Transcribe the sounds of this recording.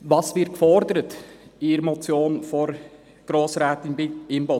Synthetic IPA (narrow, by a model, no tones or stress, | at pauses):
ʋɑːsʋɪɾt̚kfɔɾd̪əɾətɪɾmɔt͡sjoːnfɔɾ | ɡ̥ɾoːsɾæːtɪnbɪɪmbo